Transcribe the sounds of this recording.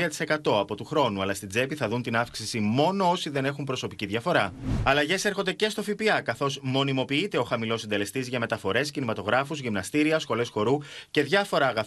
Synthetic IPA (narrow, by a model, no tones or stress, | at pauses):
ɐt̪i̥se̞kɐt̪o̞ɐpo̞t̪uxɾo̞nuɐlɐst̪id͡ze̞piθɐðunt̪inɐfksisimo̞no̞o̞siðe̞ne̞xumpɾo̞so̞piciðʝɐfo̞ɾɐɐlɐʝe̞seɾxo̞nd̪ece̞st̪o̞fipiɐkɐθo̞zmo̞nimo̞piit̪e̞o̞xɐmilo̞sind̪e̞le̞st̪izʝɐme̞t̪ɐfo̞ɾe̞scinimɐt̪o̞ɣɾɐfuzʝimnɐst̪iɾiɐsxo̞le̞sxo̞ɾuce̞ðʝɐfo̞ɾɐːɣɐ